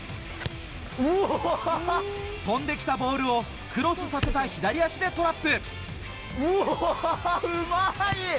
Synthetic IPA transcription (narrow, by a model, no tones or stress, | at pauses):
t̪õ̞nd̪e̞kʲi̥t̪abo̞ːɾɯ̟o̞ | kʰɯ̟ɾo̞sɨsase̞t̪açid̪aɾʲijaɕid̪e̞t̪o̞ɾapːɯ̟ | ɯmai